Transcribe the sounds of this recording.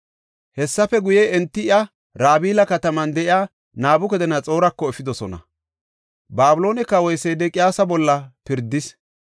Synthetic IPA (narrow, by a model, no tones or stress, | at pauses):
hɛsːɐfɛɡʊjɛɛnt̪ːɪɪɐ | ɾaːbiːlɐkɐt̪ɐmɐnd̪ɛʔɪjaː | naːbʊkɛd̪ɛnɐt͡sʼo̞ːɾɐkːɔɛfɪd̪ɔsɔnɐ̰ | baːbʊlo̞ːnɛkːɐwɔjsed̪ɛkʼɪjaːsɐbɔlːɐpɪɾd̪ːɪs